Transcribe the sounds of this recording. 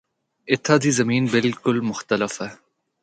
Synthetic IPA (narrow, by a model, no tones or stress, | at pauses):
ɪt̪ʰːaːd̪iːzɐmiːnbɪlkʊlmʊxt̪ɐlɐfɛ